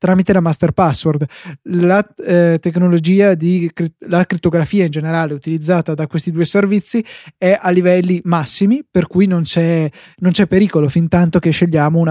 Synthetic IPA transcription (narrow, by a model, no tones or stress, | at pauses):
t̪ɾaːmit̪elamast̪erpasːword̪lat̪eknolod͡ʒiːad̪ikɾilakɾit̪ːoɡɾafiːaind͡ʒeneɾaːleut̪ilid̪zːaːt̪ad̪akwest̪id̪uːeservit̪sːiɛʔalːivɛlːimasːimiperkujnont͡ʃɛ | nont͡ʃɛpːeɾiːkolofint̪ant̪ok̟eʃːeʎːaːmouna